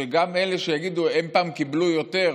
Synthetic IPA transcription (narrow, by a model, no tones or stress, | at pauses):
eɡameleʃejaɡid̪uenpaːmkiblujo̞t̪e̞ʁ